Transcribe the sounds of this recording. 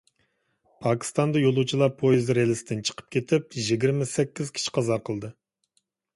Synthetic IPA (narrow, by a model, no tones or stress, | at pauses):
pʰɑkʲʰi̥st̪ɑnd̪ɑjolˠut͡ʃʰilˠɑpʰːojizɾelɪsɪd̪ɪnt͡ʃʰə̥qʰə̥p̚kʲʰet̪ʰɪp̚ʒiɡʲiɾmɪsɛkʲːiz̥kʲʰi̥t͡ʃʰi̥qʰɑzɑqʰəlˠd̪ɨ